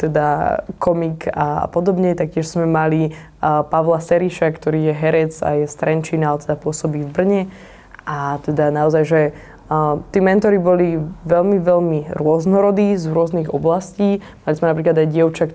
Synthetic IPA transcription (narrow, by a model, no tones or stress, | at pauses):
t̪ɛd̪akʰɔmika̰pɔd̪ɔbɲɛt̪ak̚cɪɛʃz̥mɛmali | paʋlasɛɾiʃakt̪ɔɾiːjɛɦɛɾɛd͡za̰jɛst̪ɾɛnt͡ʃinalt̪ɛd̪apʊɔsɔbiːvbr̩ɲɛ | ʔat̪ɛd̪anaɔzajʒɛ | t̪iːmɛnt̪ɔɾibɔliʋɛlmiʋɛlmiɾʊɔznɔɾɔd̪iːzɾʊɔzniɣɔblasciː | malizmɛnap̬ɾiːklad̪ajɟɪɛʊt͡ʃak